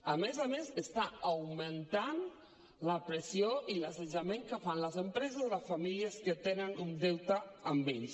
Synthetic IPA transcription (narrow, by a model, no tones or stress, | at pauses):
amezamesest̪aawment̪an | lapɾesjoʔilaseʒamẽŋkəfanləzempɾɛzəzðəfamiliəskət̪enənund̪ewt̪aːmbens